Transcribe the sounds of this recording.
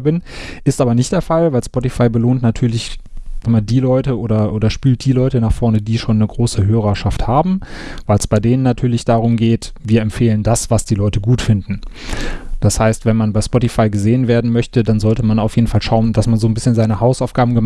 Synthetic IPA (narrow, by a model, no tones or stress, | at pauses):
bɪnʔɪstʔaːbɐnɪçt̚d̥eːɐfalvaɪlspɔtifaɪbəloːntnatʰyːɐlɪçzaŋmaːdiːlɔʏtəoːɾɐʔoːdɐʃpyːlt̚d̥iːlɔʏtənaːχfɔɐnədiːʃoːnːəɡʁoːsəɦøːʁɐʃafthaːbm̩vaɪlsb̥aɪdeːnənːatʰyːɐlɪçd̥aːʁ̞ʊmɡeːtviːɐɛmfeːləndasv̥asd̥iːlɔʏtəɡuːtfɪndn̩ | d̥ashaɪstv̥ɛnmanbaɪspɔtifaɪɡəzeːənveːɐdn̩mœçtədanzɔltəmanaʊfjeːdn̩falʃaʊndasmanzoːnbɪsçənzaɪnəhaʊsaʊfɡ̥aːbm̩ɡə